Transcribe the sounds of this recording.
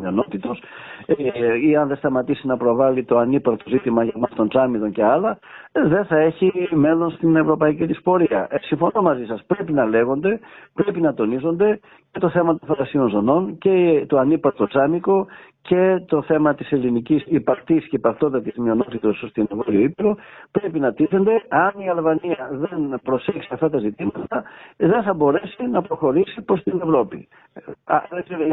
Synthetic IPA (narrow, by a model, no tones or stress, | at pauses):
mio̞no̞t̪it̪o̞s | iɐnðe̞st̪ɐmɐt̪isinɐpɾo̞vɐlit̪o̞ɐnipɐɾt̪o̞zit̪imɐʝɐmɐst̪o̞nt͡sɐmiðo̞ɲce̞ɐlɐðe̞nθɐe̞çime̞lo̞nst̪ine̞vɾo̞pɐicit̪ispo̞ɾiɐ̰siɱfo̞no̞mɐzisɐspɾe̞pinɐle̞ɣo̞nd̪e̞pɾe̞pinɐt̪o̞nizo̞nd̪e̞ | ce̞t̪o̞θe̞mɐt̪o̞nfɐlɐsio̞nzo̞no̞nce̞t̪oɐnipɐɾt̪o̞t͡sɐmiko̞ce̞t̪o̞θe̞mɐt̪ise̞linicisipɐkt̪iscepɐkt̪o̞nd̪ɐt̪izmio̞no̞t̪it̪o̞sst̪inevoɾioipeɾo̞pɾe̞pinɐt̪iθe̞nd̪e̞ɐniɐlvɐniɐðe̞npɾo̞se̞ksiɐft̪ɐt̪ɐzit̪imɐt̪ɐðe̞nθɐbo̞ɾe̞sinɐpɾo̞xo̞ɾisipo̞st̪ine̞vɾo̞pḭ | ðekseɾo